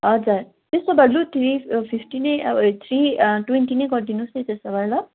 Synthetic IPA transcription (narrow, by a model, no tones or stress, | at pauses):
ʌd͡zaɾ | t̪esʌbaɽlut̪ʰɾipʰipʰʈinejt̪ʰɾiʈwenʈineɡʌrd̪inusejt̪estʌbaɾlʌ